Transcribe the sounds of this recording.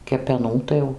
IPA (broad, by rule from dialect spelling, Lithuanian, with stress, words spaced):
kʲɛpʲɛˈnuː tɐɪ ˈjɛʊ